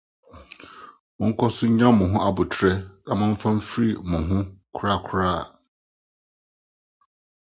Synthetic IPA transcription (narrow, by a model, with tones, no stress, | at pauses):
mʊ̃˨ŋ̩˦kʰɔ˦sʊ˦ɲ˦ɲã˦mʊ̃˨ɦʊ̃˦ʔa˨bʊ˨tʰɾɛ˦nã˨mʊ̃˨m̩˦fã˦m˦fɾi˦˨mʊ̃˨ɦʊ̃˦kʰʊ˦ɾa˦˨kʰʊ˨˦ɾaː˦˨